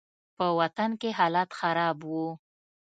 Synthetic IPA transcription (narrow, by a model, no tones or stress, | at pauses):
pəwat̪ankeɦɑlat̪xaɾɑbwu